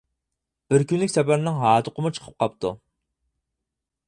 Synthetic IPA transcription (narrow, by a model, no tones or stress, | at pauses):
b̥ɪɾkʲynlykʲsɛpæɾnɪŋɦɑːt̪ʰʊqəmʊt͡ʃʰə̥qʰə̥p̚qʰɑp̚t̪ʰṵ